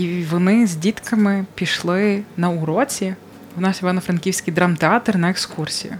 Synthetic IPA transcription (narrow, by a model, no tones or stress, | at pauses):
iʋɔnɪzʲdʲit̪kɐmɪpʲiʃlˠɪnɐuɾɔt͡sʲi | ʊnɑsjiʋɑnɔfɾɐnkʲiwsʲkɪjd̪ɾɑmt̪eɑt̪rnɐekskursʲijʊ̰